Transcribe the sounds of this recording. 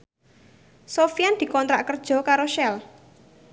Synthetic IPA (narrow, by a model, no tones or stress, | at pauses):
sofijand̪̥i̤kɔnt̪ɾa̰ʔkərd̥ʒ̥ɔ̤kaɾoʃɛl